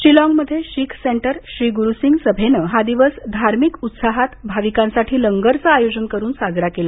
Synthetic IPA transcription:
ɕɾilɔ̃ŋɡməd̪ʱːjeɕikʰseɳʈəɾɕɾiːɡuɾusiŋɡsəbʱenəɦad̪iʋəsd̪ʱaɾmikut̪saɦat̪bʱaʋikãnsaʈʰiːləŋɡəɾt͡saajod͡ʑənkəɾuːnsad͡zɾakela

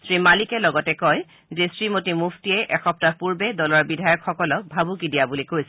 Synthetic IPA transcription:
sɹimalikɛlɔɡɔtɛkɔj | zesɹimotimufʰtiɛʔɛxɔp̚tapuɹbɛdɔlɔɹbidʱajɔkxɔkɔlɔk̚bʱabukidijabulikojsɛ

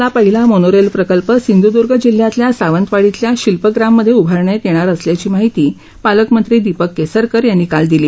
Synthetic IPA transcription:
lapəɦilamonoɾelpɾəkəlpəsind̪ud̪uɾɡʱəd͡ʑil̤jat̪ljasaʋənt̪ʋaɽit̪ljaɕilpəɡɾamːəd̪ʱːjeubʱəɾɳjet̪eɽ̃aɾəsljat͡ɕiːmaɦit̪iː | paləkmənt̪ɾiːd̪ipəkːesəɾkəɾjanːiːkald̪iliː

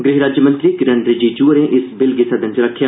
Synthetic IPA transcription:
ɡɾɪɦɾaːd͡ʒjəmə̃nt̪ɾiːkɪɾənd̪ɾd͡ʒiːd͡ʒuːəɾẽːʔɪsbɪlɡisəd̪ənt͡ʃəɾəkʰːjaː

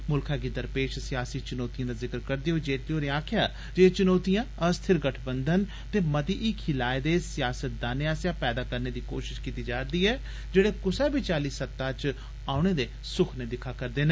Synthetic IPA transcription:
mʊlkʰaːkiːd̪əɾpeːʃsɪjaːsiːt͡ʃʊnoːt̪ijãːd̪aːzɪkəɾkəɾd̪eːɦoed͡ʒeːʈeoːɾeãːkʰjaː | d͡ʒeːt͡ʃʊnoːt̪ijãːəst̪ʰɪɾɡəʈʰbənd̪ən | t̪eːmət̪iːʔɪkʰɪlaːed̪eːsɪjaːsət̪̚d̪aːneːaːsjãːpɛːd̪aːkəɾneːd̪iːko̰ːʃɪʃkiːt̪iːd͡ʒaːɾd̪iːɦɛː | d͡ʒeːɽeːkʊsɛːbiːt͡ʃaːliːsət̪ːãːt͡ʃ | aːʊɳeːd̪eː | sʊkʰneːd̪ɪkʰːaːkəɾd̪eːnː

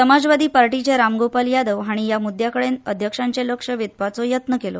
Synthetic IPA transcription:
səmad͡zʋad̪iːpaɾʈit͡ɕeɾamɡopaljad̪əʋɦaɽ̃ijamud̪jakəɽenəd̪ʱjəkʂãɲt͡ɕeləkʂəʋjit̪̚pat͡sojət̪nəkelo̰

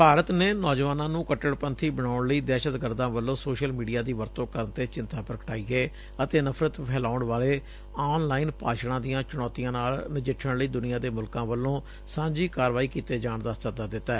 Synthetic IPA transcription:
paːɾət̪neːnɔːd͡ʒʋaːnãːnũːkəʈːəɽpənt̪ʰiːbəɽ̃aːʊɳləiːd̪ɛːʃət̪ɡəɾd̪ãːʋəlːõːsoːʃəlmiːɖijaːd̪iːʋəɾt̪õːkəɾənt̪eːt͡ʃɪ̃nt̪aːpɾəkəʈaːiːɡeː | ət̪eːnəpʰɾət̪pʰɛːlaːʊɳʋaːleː | aːnlaːiːnpa̰ːʃɽãːd̪ijãːt͡ʃʊɽ̃ɔːt̪ijãːnaːlnɪd͡ʒɪʈʰːəɳləiːd̪ʊnɪjaːd̪eːmʊlkãːʋəlːõː | sãːɲd͡ʒiːkaːɾʋaːiːkiːt̪eːd͡ʒaːɳd̪aːst̪əd̪aːd̪ɪt̪ːaː

